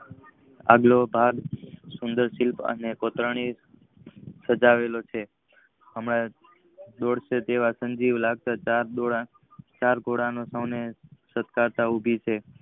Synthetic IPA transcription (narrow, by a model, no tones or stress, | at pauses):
a̰ɡlobʱaɡsʊnd̪əɾsilpə̰nekot̪ɾəɳ̃i | səd͡ʒaʋelot͡ʃʰe | əmɽa | d̪ɔɽʃet̪eʋasə̃ɲd͡ʒiʋlaɡ̚t̪aaɾoɽa | t͡ʃaɾɡʱoɽanosəwnesət̪kaɾt̪aubʱit͡ʃʰe